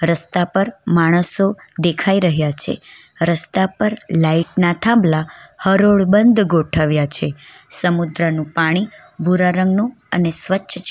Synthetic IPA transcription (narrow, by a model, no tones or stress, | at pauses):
ɾəst̪apəɾmaɽ̃əsod̪ekʰaiɾəɦjat͡ʃʰḛɾəst̪apəɾlaiʈnat̪ʰãmblahəɾoɭbənd̪ɡoʈʰəʋjat͡ʃʰe | səmud̪ɾənũpaɽ̃i | bʱuɾaɾəŋɡnũ | ənesʋət͡ʃːʃʰt͡ʃʰ